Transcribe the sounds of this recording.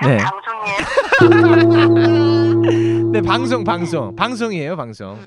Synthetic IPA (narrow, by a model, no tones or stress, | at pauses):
ne̞̰ | ne̞paŋs̬ʰoŋpaŋsʰoŋpaŋsʰoŋiejopaŋsʰo̰ŋ